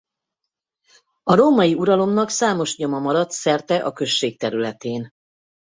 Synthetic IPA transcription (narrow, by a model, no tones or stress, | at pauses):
ɒɾoːmɒjiuɾɒlo̞nːɒksaːmo̞ʃɲo̞mɒmɒɾɒt̪sɛrt̪ɛʔɒkø̞ʃːeːk̚t̪ɛɾylɛt̪eːn